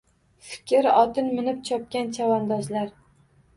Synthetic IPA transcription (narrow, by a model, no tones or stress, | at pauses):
fɪ̥kʲʰɪɾɒt̪ɪnmɪnɪp̚t͡ʃʰɒp̚kʲant͡ʃʰavɒnd̪ɒzlaɾ